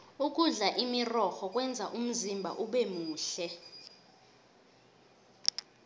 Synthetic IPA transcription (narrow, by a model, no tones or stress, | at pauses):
uk̬ʼuɮaʔimirɔxɔk̬ʼwɛnd͡zʱa̰ʔum̩zimbʱa̰ʔuɓɛmuːɬɛ